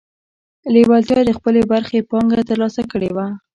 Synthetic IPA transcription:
lewalt̪jɑd̪əxpəlebaɾxepɑŋɡat̪əɾlɑsakəɽewa

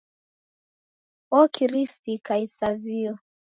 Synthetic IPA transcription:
ɔkʰiɾistikaisaviɔ

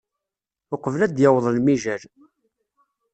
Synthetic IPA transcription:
ʊqəvlæd̪jɑwðˤəlmiʒæl

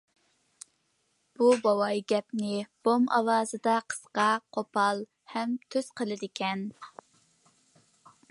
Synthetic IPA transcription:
b̥ubɑwɑjɡʲɛpnɪb̥omɑwɑːzɨd̪ɑqʰə̥sqɑqʰopʰɑlˠ | hɛmt̪ʰøz̥qʰəlˠɨd̪ɪkʲʰɛn

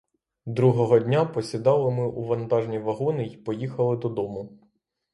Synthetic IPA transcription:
d̪ɾuɦɔɦɔdʲnʲapɔsʲid̪ɑlˠɪmɪʔuʋɐnt̪ɑʒnʲiʋɐɦɔnɪipɔjixɐlˠɪd̪ɔd̪ɔmʊ

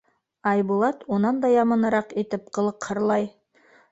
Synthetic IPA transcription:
ɑjbulˠɑt̪unɑnd̪ɑjɑmɤ̆nɤ̆ɾɑqit̪ɘp̚qɤ̆lˠɤqhɤ̆ɾlˠɑj

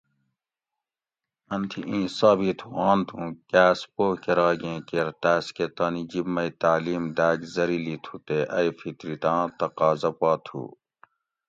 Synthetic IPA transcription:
ɐnt̪ʰiʔĩːsaːbiːt̪ʰuãːnt̪ʰũːkæːspoːkeɾaːɡẽːkeɾt̪æːsket̪aːnid͡ʑibmːɐit̪aːliːmd̪æːɡzɐɾilit̪ʰut̪eʔɐjfʰit̪ɾit̪ãːt̪ɐqaːzɐpaːt̪ʰṵː

